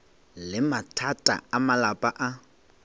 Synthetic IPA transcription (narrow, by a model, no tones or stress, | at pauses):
lɪmatʰatʼa̰amalapʼaʔa